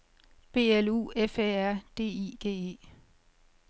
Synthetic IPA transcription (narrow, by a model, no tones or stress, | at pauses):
b̥e̝̰ːelṵːefeæɐ̰d̥e̝̰ːiːɡ̥e̝̰ːe̝̰ː